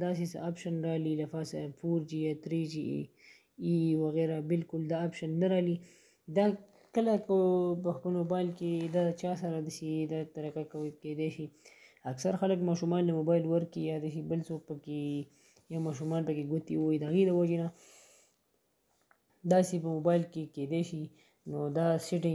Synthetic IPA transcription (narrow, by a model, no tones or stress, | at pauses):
d̪ɑs̬esə̰ɑpʃanɾɑlilafɑsə̰foɾd͡ʒijɑt̪ɾed͡ʒi | iwaɣeɾabɪlkʊld̪ɑːpʃanːaɾɑli | d̪ɑ | kəlakəpəxpəlmobɑɪlked̪ɑd̪ət͡ʃɑs̬aɾad̪əsid̪at̪aɾakakawked̪eʃiaksaɾxaləkmɑʃumɑnləmobɑjlwəɾkijɑd̪aʃ̬ibəlsok̚pəke | jawmɑʃ̬umɑnpəkeɡʊt̪iwid̪əaɣed̪əwad͡ʒena | d̪ɑsepəmobɑjɪlkeked̪eʃi | nod̪ɑsɪʈɪ